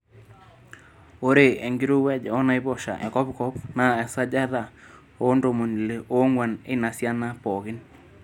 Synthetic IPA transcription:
o˦ɾe˨e˨ŋɡɪ˦ɾu˦wɛ˦d͡ʒɔ˦na˦jbɔ˨ʃa̰˨ʔɛ̰˨kɔ˦pkɔ˦pna˨ɛ˨sa˦d͡ʒa˦ða˨ | o˦ndo˨mo˨n˨le˨ʔo˦ŋwa˨nɪ˦na˨sja˦na˦pɔ˨ɣɪ˦n

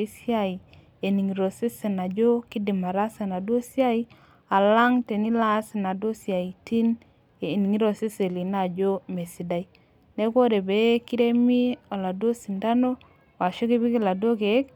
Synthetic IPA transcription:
sja˦˨i˨ | e˨ni˨ŋi˨ɾo˨si˦se˨na˨d͡ʒo˦ki˦di˨ma˨ɾa˦sa˨na˨do˦sja˦i˦ | a˨la˦ŋte˨ni˦la˦si˨na˨do˦sja˨i˨ti˦n | e˨ni˨ŋi˦ɾo˨si˦se˨li˨na˦˨d͡ʒo˦me˨si˨da˦i˦ | ne˦ko˦ɾe˨be˨˦ki˦ɾe˦mi˦o˨la˨do˦si˨nda˦no˦ | wa˨ʃo˦ki˦bi˦ki˦la˨do˦ke˨˦k̚

